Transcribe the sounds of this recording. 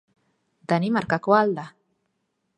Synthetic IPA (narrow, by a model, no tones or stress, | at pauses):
d̪animaɾkakwald̪a